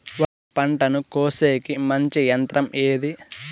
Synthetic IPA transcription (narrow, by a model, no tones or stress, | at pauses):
ʋa | pɐɳʈɐnukoːseːkimɐɲt͡ʃijɐnt̪ɾɐmʔeːd̪i